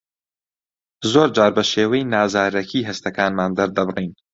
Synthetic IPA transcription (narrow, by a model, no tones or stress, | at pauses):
zoːɾd͡ʒaːɾbɐʃeːwɛjnaːzaːɾɐkʰiːɦɐst̪ɐkaːnmaːnd̪ɐɾd̪ɐbɨriːn